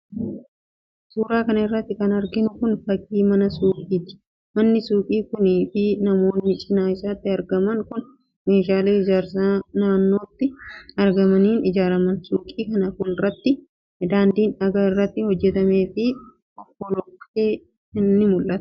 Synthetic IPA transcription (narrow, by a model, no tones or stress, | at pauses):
suːɾaːkɐnɐɪrːɐt̪ːɪkɐnɐɾɡɪnʊkʊnfɐkʼiːmɐnɐsuːkʼiːt̪ɪ̥ | mɐnːɪsuːkʼiːkʊniːfɪnɐmo̞ːnːɪt͡ʃʼɪnaːɪsaːt̪ːɪɐɾɡɐmɐŋkʊn | meːʃ̬aːleːɪd͡ʒaːɾsanaːnːo̞ːt̪ːɪɐɾɡɐmɐniːnɪd͡ʒaːɾɐmɐnsuːkʼiːkɐnɐkʊːlɪrːɐt̪ːɪ | d̪aːnd̪iːnᶑɐɡaːɪrːɐt̪ːɪhɔd͡ʒːɛt̪ɐme̞ːfɪ | ʔɔbːɔlɔkeː | nːɪmʊlʔɐt̪ɐ̥